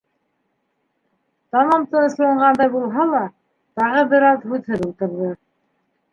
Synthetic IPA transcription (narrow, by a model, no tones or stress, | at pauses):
t̪ɑmɑmt̪ɤɤ̆ʃlˠɑɴɢɑnd̪ɑjbulˠɦɑlˠɑ | t̪ɑʁɤbɘ̆ɾɑðhʉðhɘðulˠt̪ɤ̆ɾðɤ